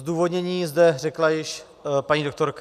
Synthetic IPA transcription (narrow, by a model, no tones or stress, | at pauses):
zd̪uːvo̞d̪ɲɛɲiːzdɛrɛklajɪʃ | paɲiːdok̚t̪o̞ɾk